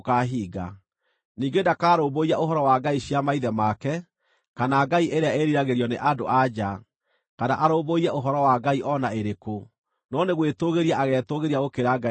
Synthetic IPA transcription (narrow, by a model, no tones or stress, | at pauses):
kaɦiːɡa | niːɡedakaːɾoːboiaʔoɦɔɾɔwaɡaiɕjamaiðɛmakɛ | kanaɡaiʔeɾeaeɾiɾaɣeɾjɔneʔado̰ʔad͡ʒa | kanaʔaɾoːboiaʔoɦɔɾɔwaɡaiʔɔnaeɾeko | nɔneɣwetoɣeɾiaʔaɣɛːtoɣeɾiaɣokeɾaɡa